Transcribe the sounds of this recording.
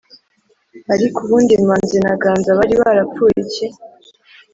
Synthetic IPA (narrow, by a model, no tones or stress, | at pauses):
aɾikuβuːndiŋmaːnzenaɡaːnzaβaɾiβaɾap͡fujice